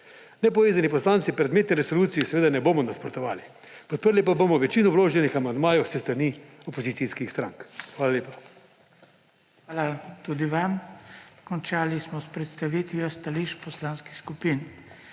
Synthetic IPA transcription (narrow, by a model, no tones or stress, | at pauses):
nɛpɔʋeːzanipɔslaːnt̪sipɾɛd̪meːt̪nɛɾɛsoluːt̪sijisɛʋeːd̪anɛboːmɔnaspɾɔt̪ɔʋa̰ːli | pɔt̪̚pəɾlipabomɔʋɛt͡ʃiːnɔbloːʒɛnixamand̪maːjɛwsɛst̪ɾaniɔpozit̪iskixst̪ɾa̰ŋkxʋaːlaleːpḁ | xʋaːlat̪ud̪iʋamkɔnt͡ʃaːlismɔspɾɛt̪st̪aʋit̪ʋjast̪aliʃpɔslanskixskupin